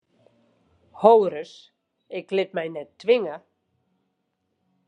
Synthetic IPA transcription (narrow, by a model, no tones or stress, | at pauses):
howɾʏs | ɪklɪt̪̚majnɛt̪t̪ʰːvɪŋa